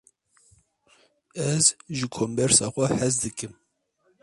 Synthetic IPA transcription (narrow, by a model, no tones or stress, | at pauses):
ɛzʒɨkʰombɛɾsɑːxʷɛhɛzd̪ɨkɨm